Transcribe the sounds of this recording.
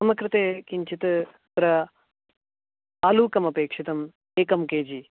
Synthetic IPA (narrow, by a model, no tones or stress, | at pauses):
sɐmɐkɾɪt̪eːkiɲt͡ʃit̪ɨ | d̪ɾɐ | aːluːkɐmɐpeːkʂit̪ɐm | eːkɐmkeːd͡ʒi